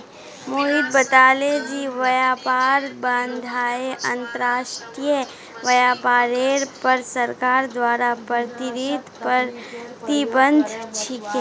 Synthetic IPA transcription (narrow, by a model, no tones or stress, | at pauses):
moːɦid̪̚bət̪aːled͡ʒiːʋɐjaːpaːɾbənd̪ʱaːeʔɐ̃nt̪əɾaːʃʈɾijə | ʋɐjaːpaːɾeːɽpɐɾsɐɾkaːɾd̪waːɾapəɾt̪ɪɾit̪pəɾt̪ibə̃nd̪ʱt͡ʃʰike